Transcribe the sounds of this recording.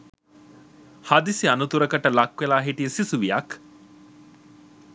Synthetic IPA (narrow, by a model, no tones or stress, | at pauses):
hɐd̪isiɐnut̪uɾɐkɐʈɐlɐkːʋelaːɦiʈijesisuʋijɐk